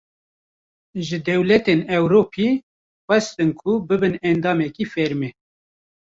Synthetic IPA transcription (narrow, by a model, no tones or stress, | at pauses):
ʒɨd̪ɛwlɛt̪enɛwɾoːpʰi | xɛst̪ɨnkʰubɨbɨnɛnd̪ɑːmɛkiːfɛɾmeː